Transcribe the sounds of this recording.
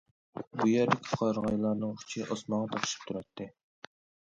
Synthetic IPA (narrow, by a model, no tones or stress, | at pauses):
bujɛɾd̪ɪkʲʰi̥qʰɑɾʁɑjlˠɑɾnɨŋʰt͡ʃʰiʔɑsmɑʁɑt̪ʰɑqʃi̥p̚t̪ʰuɾɑt̪ʰːɨ